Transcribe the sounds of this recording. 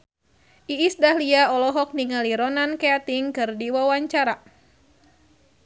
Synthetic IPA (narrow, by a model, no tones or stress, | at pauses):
ʔiisdahliaɔlɔɦɔk̚niŋaliɾɔnankeat̪iŋkɨrdiwawaɲt͡ʃaɾa